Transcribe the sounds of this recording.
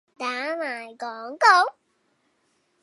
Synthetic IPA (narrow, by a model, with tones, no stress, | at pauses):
ɗaː˧˦maː˨˩jkɔ˨˩nkɔ˧˦ŋ͡m